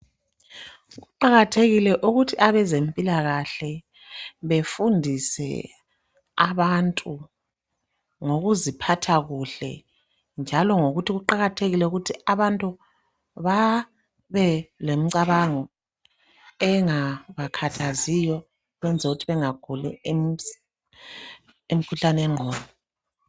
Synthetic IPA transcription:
ɣuǃaɣatʰeɣilɛʔuɣutʰiʔaβɛzempʼilaɣaɬɛ | βefundʱisɛ̰ | aβantʼu | ŋoɣuzipʰatʰaɣuɬɛ̰ | nd͡ʒʱalɔŋoɣutʰiɣuǃaɣatʰeɣilɛuɣutʰiaβantʼu | βa | βɛlem̩ǀaβaŋɔ | ɛŋaβakʰatʰazijɔ | ɣwɛnd͡zʱɛuɣutʰiβɛŋaɡ̥ʱulɛ̰m | emikʰuɬanɛŋ͡ǃʱɔːnɔ

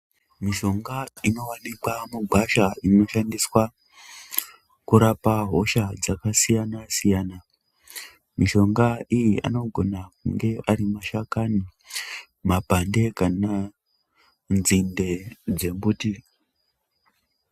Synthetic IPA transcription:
miʃo̞ŋɡaino̞wanikwamuɡʱwaʃaino̞ʃandiswa | kuɾapaɦo̞ʃad͡zakasijanasijaːna | miʃo̞ŋɡaijiʔa̰no̞ɡʱo̞nak̚uŋɡe̞ʔaɾimaʃakani | mapande̞kana | nzinde̞d͡ze̞mbuːti

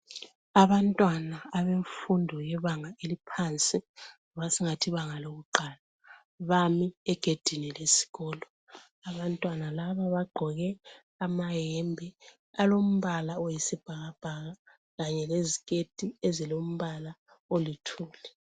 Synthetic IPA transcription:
aβantʼwanaːβeɱfundʱɔjɛβaŋaelipʰant͡sʼiŋɔβasiŋatʰiβaŋaloɣuǃaːla | βamiɛɡ̥ʱed̥ʱinilesi̥ɣɔːlɔ | aβantʼwanalaβaβaɡ͡ǃʱɔɣɛ | amajɛmbʱɛ | alom̩βalaojisib̥ʱaɣab̥ʱaɣa | ɣaɲɛlezikʼed̥ʱiezilom̩βala | olitʰuːlɛ

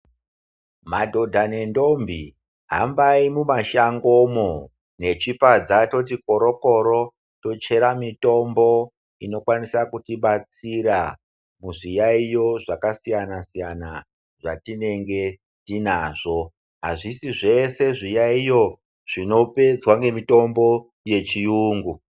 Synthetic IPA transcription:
madʱo̞dʱane̞ndo̞mbi | ɦa̰mbaimumaʃaŋɡo̞mo | ne̞t͡ʃipad͡zato̞t̬iko̞ɾo̞ko̞ɾo̞ | to̞t͡ʃe̞ɾamito̞mbo̞ | ino̞kwanisakutiɓat͡siɾa | muʐijaijo̞ʐakasijanasijana | ʐatine̞ŋɡe̞ | tinaːʐo̞ | ɦaʐisiʐe̞se̞ʐijaijo̞ | ʐ̥ino̞pe̞d͡zwaŋɡe̞mito̞mbo̞ | je̞t͡ʃijuːŋɡu

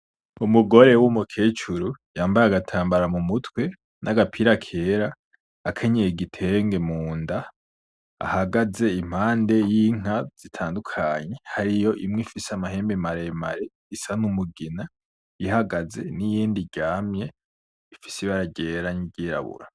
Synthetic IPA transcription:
umuɡo̞ɾe̞wumukʰeːt͡ʃuɾujaːmbaɾaɡatʰaːmbaɾamumutwe̞ | nʔaɡapʰiɾakʰe̞ɾaː | kʰeɲejeɡitʰe̞ŋɡe̞muːnda̰ː | haɡaze̞im̥haːnde̞jiŋ̥az̥itʰaːndukʰaɲe̞haɾijo̞ʔimŋifiseamahe̞ːmbemaɾema̰ɾe | isanumuɡina | jihaɡaze̞nijiːndiɟ̥aːmɲe̞ | ifi̥siβaɾaɟeːɾaɲiɟiːɾa̰βṵɾa

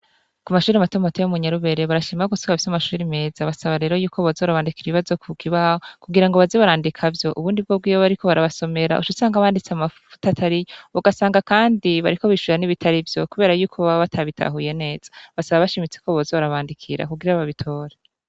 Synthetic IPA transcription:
kumaʃuːɾiamatomotejomuɲaɾuβe̞ɾe̞βaɾaʃiːmaɡusokafisamaʃuːɾime̞ːz̥aβasaβaɾe̞ːɾojuːkʰoβozoɾaβaːndikiɾiβiβazo̞kukʰiβahokuɡiɾaŋɡo̞βazeβaɾaːndikʰavjo̞ʔuβuːndib̚ɡob̚ɡiːwoβaɾikʰo̞βaɾaβaso̞me̞ɾa̰ʔuʃusaːŋɡaβaːndit͡seamaffu̥tatʰaɾijoβuɡasaːŋɡakaːndiβaɾiko̞βiʃuɾaniβitʰaɾivjo̞kuβeːɾajuːkʰoβaβatʰaβitʰa̰ɦuje̞ne̞ːz̥ḁβasaβaβaʃimit͡sekʰoβozoaɾaβaːndikʰiɾa̰kuɡiɾaβaβitʰo̞ːɾe

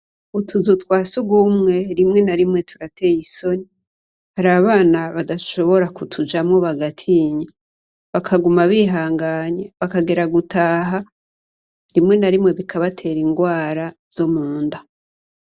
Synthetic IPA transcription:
utʰuzutwaːsuɡumŋe̞ɾimŋe̞naɾimŋe̞tʰuɾatejiso̞ni | haɾaβaːnaβadaʃo̞βo̞ɾakutʰud͡ʒamŋoβaɡatʰiɲi | βakʰaɡumaβiɦaːŋɡaɲeβakaɡe̞ɾaɡutaːɦa | ɾimŋe̞naɾimŋe̞βikʰaβatʰe̞ɾiŋɡwaːɾa | z̥omuːnda

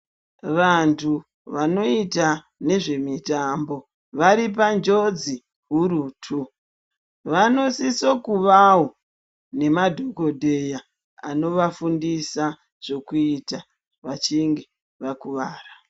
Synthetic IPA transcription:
ʋantʰu | ʋano̞ita | ne̞ʐe̞mitambo̞ | ʋaɾip̬and͡ʒo̞d͡zi | ɦuɾutʰu | ʋano̞sisokuʋawo | ne̞madʱo̞ko̞dʱeja | a̰no̞ʋafundisa | ʐ̥o̞kuita | ʋat͡ʃiŋɡe̞ | ʋakuʋaːra

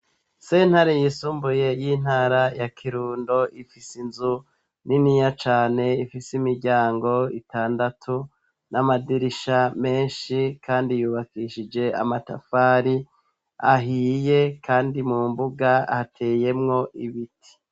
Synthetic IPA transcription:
se̞ːn̥haɾejisuːmbuje̞jiːn̥haːɾajakʰiɾuːndo̞ʔifisinzu | ninijat͡ʃaːne̞ifisimiɾɟaːŋɡo̞ḭtaːndatʰu | namadiɾiʃame̞ːnʃikʰaːndijuːβakiʃid͡ʒe̞a̰mata̰faːɾi | a̰ɦiːje̞kʰaːndimuːmbuɡahatʰeːje̞mŋo̞ʔiβitʰi̥

